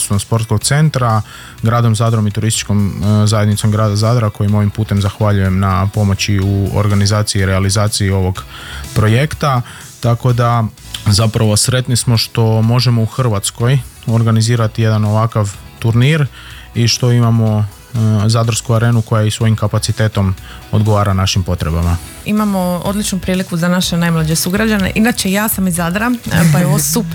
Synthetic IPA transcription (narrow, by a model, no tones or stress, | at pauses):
suomspo̞ɾt̪ko̞ɡ̚t̪se̞nt̪ɾa | ɡɾaːd̪o̞mzaːd̪ɾo̞mit̪uɾist̪i̥t͡ʃko̞mzajed̪nit̪o̞mɡɾaːd̪azaːd̪ɾako̞jimo̞ʋimpuːt̪e̞mzaxʋaʎuje̞mnapo̞mo̞t͡ɕiuo̰ɾɡanizaːt̪sijiːɾealizaːt̪sijio̞ʋo̞ɡpɾo̞je̞kt̪a | t̪ako̞d̪a | zapɾaʋo̞sɾe̞t̪nismo̞ʃt̪o̞mo̞ʒe̞mo̞uxr̩ʋat̪sko̞j | o̞ɾɡaniziːɾat̪ije̞d̪ano̞ʋakaʋt̪uɾniɾ | iʃt̪o̞imamo̞ | zad̪ɾr̩skuaɾe̞ːnuko̞jaisʋo̞jimkapat̪sit̪e̞ːt̪o̞mo̞d̪ɡo̞ʋaːɾanaʃimpo̞t̪ɾe̞bama | imamo̞o̞d̪lit͡ʃnupɾiːlikuzanaʃenajmlˠad͡ʑesuɡɾad͡ʑanḛʔinat͡ɕejaːsamizad̪ɾapajoʋosup